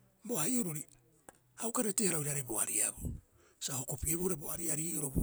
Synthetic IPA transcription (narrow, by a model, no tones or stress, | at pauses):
boaioɾoɾi | awkaɾetehaɾawiɾaɾeboa̰ɾiabo | sahokopiebohoɾeboaɾiaɾioɾob